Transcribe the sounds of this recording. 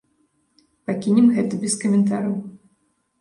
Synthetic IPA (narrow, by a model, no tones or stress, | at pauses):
pakʲinʲɛmɣɛt̪ɐbʲɛskɐmʲɛnt̪aɾɐw